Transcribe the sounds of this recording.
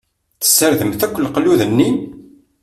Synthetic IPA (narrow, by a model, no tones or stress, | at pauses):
θə̥sːəɾðəmθækʷːəlːqlːuðənːin